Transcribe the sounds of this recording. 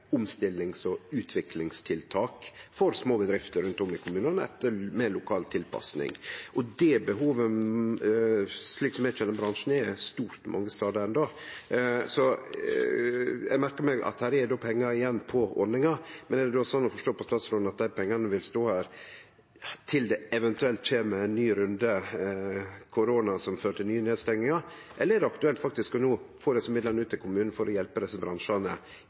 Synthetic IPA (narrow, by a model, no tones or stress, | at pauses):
ʊmst̪ɪlːɪŋsɔʉːt̪ʰʋɪklɪŋst̪ʰɪlt̪ʰɑːkfɔɾsmoːbəd̪ɾɪft̪əɾʉnt̪ɔmːɪkʰʊmʉːnənəɛ̰t̪ːəɾmɛlʊkʰɑːlt̪ʰɪlpʰɑ̰snɪ̰ŋʔɔd̪ɛbəɦuːʋə | sliːksɔmɛt͡ʃʰɛləbɾɑnʂn̩ɛst̪uːɾt̪mʔɑ̰ŋːəst̪ɑːd̪əɾɛnd̪oː | sɔ | jɛ̰ɡmæɾkəɾmɛɡɑ̰t̪hæːɾɛd̪oːpʰɛŋːɑɪjɛnːpʰɔɔnːɪŋɑmɛnɛɖɛd̪osɔnːɔfɔʂʈoːpɔst̪ɑːt̪sɾɔːd̪nɑt̪̚d̪æɪpʰɛŋːɑnəʋɪlst̪oːhæːɾ | t̪ʰɪld̪ɛɛʋɛnt̪ʉɛlt̪ʃeːməɛnːyːɾʉnd̪ə | kʰʊɾoːnɑsɔmføːɾəʈ̪ʰɪlnyːəneːd̪st̪ɛŋnɪŋɑ | ʔɛləɾɛd̪ɛɑkt̪ʉɛlt̪fɑk̚t̪ɪskɔnuːfoːɾɛsəmɪd̪ləɾnʉːt̪ʰːɪlkʰʊmʉːnn̩fɔɾʔɔjɛlpəd̪ɛsːəbɾɑnʂɑnə